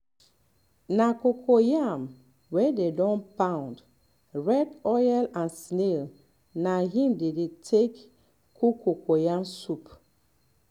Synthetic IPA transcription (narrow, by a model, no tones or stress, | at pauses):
nakokʰojam | wɛdedɔ̃npãw̃nd | ɹɛdɔjɛlãnsnel | naɦĩmdedetʰek | kukokojamsup